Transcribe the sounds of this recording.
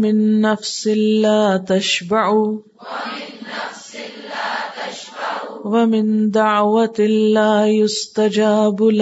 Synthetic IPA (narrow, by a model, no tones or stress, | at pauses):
mɪnːafsɪlaːt̪aʃbaʕʊ | wamɪnd̪aʕwalaːjʊst̪ad͡ʒaːbl